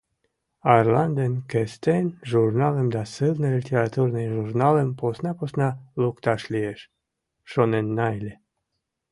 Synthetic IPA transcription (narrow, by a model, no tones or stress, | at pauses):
ɑrlɑnd̪enkest̪enʒurnɑlemd̪ɑsɨlnɨlʲit̪ʲeɾat̪urnɨjʒurnɑlemposnɑposnɑlukt̪ɑʃlʲieʃ | ʃonenːɑjlʲe